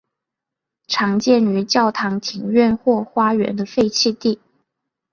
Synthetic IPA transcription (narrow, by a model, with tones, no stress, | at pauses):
ʈ͡ʂʰɑ˧˥ŋt͡ɕjɛ˥˩ny˧˥t͡ɕjɑ˥˩ʊt̪ʰɑ˧˥ŋt̪ʰi˨˩ŋɥɛ˥˧nxwɔ˥˩xwa˥ɥɛ̰˧˥nd̪ə˧fe˥˧ɪt͡ɕʰi˥˧t̪i˥˩